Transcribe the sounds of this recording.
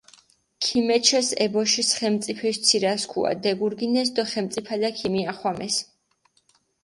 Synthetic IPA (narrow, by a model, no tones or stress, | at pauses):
kʰimɛt͡ʃʰɛsɛ̰bɔʃisχɛmt̪sʼipʰɛʃt̪sʰiɾaskʰṵa̰d̪ɛɡuɾɡinɛs̬d̪ɔχɛmt̪sʼipʰad̪akʰimiaχwamɛs